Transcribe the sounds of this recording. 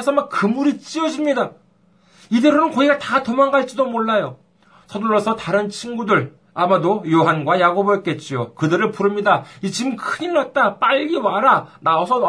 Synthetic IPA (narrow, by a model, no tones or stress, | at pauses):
sʰʌmakkɯmuɾit͡ɕ͈iʌd͡ʑimɲida | ide̞ɾonɯnkʌiɡatatʌmaŋɡaɭt͡ɕ͈idomoɭːajo | sʰʌduɭːʌsʰʌtaɾɯnt͡ɕʰinɡudɯɭ | amadojoɦanɡwajaɡobɯjʌt̚k͈e̞t̚t͡ɕ͈ijokɯdɯɾɯɭpuɾɯmɲidait͡ɕimkʰɯɲiɭːat̚t͈ap͈aʎɡiwaɾanaosʰʌ